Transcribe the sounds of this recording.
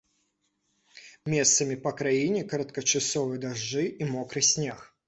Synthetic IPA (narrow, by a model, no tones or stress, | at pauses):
mʲest̪səmʲɪpəkɾajinʲɪkəɾət̪kət͡ɕɪsovɨjəd̪ɐʐːɨʔimokɾɨsʲnʲex